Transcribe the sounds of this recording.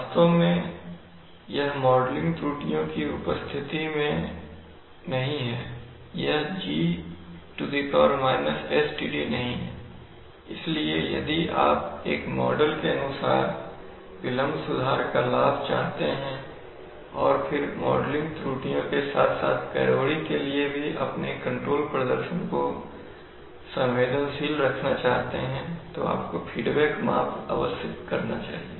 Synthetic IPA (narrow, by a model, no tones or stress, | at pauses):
st̪õmẽ | jɐɦmɔːɖlɪ̃ŋɡt̪ɾuːʈijõkiʊpəst̪ʰɪt̪imẽ | nɐɦĩɦɛː | jɐɦd͡ʒiː | ʈud̪ipɔːɾmaːɪnəsɛsʈiːɖinɐɦĩɦɛ̰ | ɪsliejɐ̰d̪iʔa̰ːpḛːkmɔ̰ːɖəlkeɐnʊsa̰ːɾ | ʋɪlə̃mbsʊd̪ʱaːɾkalaːbt͡ʃa̰ːɦt̪eɦɛ̃ | ɔːɾpʰɪɾmɔːɖlɪ̃ŋɡt̪ɾuːʈijõkesa̰ːt̪ʰsa̰ːt̪ʰkɛ̰ːɾoːɽikeliebʱiʔɐ̰pnekɐ̃ɳʈɾoːlpɾəd̪əɾʃənko | sɐ̃mʋeːd̪ənsiːlɾɐkʰnat͡ʃaːɦt̪eɦɛ̃t̪o̰a̰ːpkofʰiːɖbɛːkma̰ːpʰa̰ːʋəsəkkɐɾnat͡ʃa̰ːɦieː